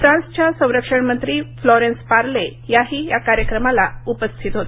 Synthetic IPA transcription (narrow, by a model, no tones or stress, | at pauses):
fɾãnst͡ɕjasə̃w̃ɾəkʂəɳmənt̪ɾiːflɔɾenspaɾlejaɦiːjakaɾjəkɾəmalaupəst̪ʰit̪ɦot̪